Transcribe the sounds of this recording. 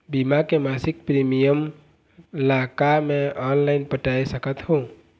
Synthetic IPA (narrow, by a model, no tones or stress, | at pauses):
bimakemaːsɪk̚pɾimijəm | ɪlaːkamẽʔɔːnlaɪnpəʈaːisəkət̪ɦõː